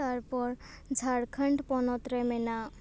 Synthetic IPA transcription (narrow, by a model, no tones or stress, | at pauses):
aɾpɔɾ | d͡zʱaɽkʰəɳɖpɔnɔt̪ɾemena